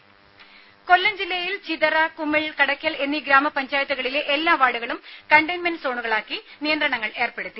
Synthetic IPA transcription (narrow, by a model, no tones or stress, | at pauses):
ko̞lːɐnd͡ʑilːɐjilt͡ɕiðɐrɐkumːiɭkɐɽɐkʲːɐle̞nːiɡɾaːmɐpɐɲd͡ʑaːjɐt̪ːuɣɐɭile̞ʔelːaːʋaːɽuɣɐɭumkɐɳɖɐjnmenso̞ːɳuɣɐɭaːkːinijɐnd̪rɐɳɐŋːɐɭe̞ːrpe̞ɽut̪ːi